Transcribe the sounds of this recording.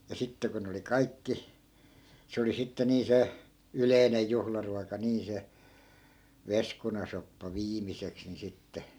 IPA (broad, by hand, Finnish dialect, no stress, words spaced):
jɑ sitːe ko ne oli kɑikːi se oli sitːe niː se yleinej̆ juhlɑruɑkɑ niː se ʋeskunɑsopːɑ ʋiːmiseks ni sitːe